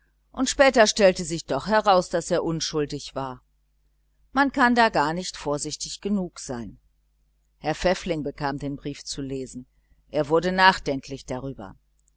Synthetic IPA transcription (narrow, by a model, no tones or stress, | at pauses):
ʔʊntʃpɛːtɐʃtɛltəzɪçd̥ɔχhɛʁaʊsd̥aseːɐʔʊnʃʊldɪçv̥aːɐ | mankʰandaːɡaːɐnɪçtfoːɐzɪçtɪçɡ̥ənuːkz̥aɪn | hɛɐfɛflɪŋbəkʰaːmdeːnbʁiːft͡suleːzn̩ | ʔeːɐvʊɐdənaːχd̥ɛŋklɪçd̥aʁ̞yːbɐ̰